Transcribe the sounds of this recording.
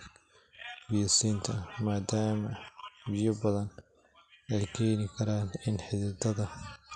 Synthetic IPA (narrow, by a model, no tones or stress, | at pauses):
bɪjsiːnt̪ʰɐmaːd̪aːmɐbɪjɐbɐðɐn | ʔɛjkʰɛːnɪkʰɐɾaːnɪnħɪðɪd̪ɐðɐ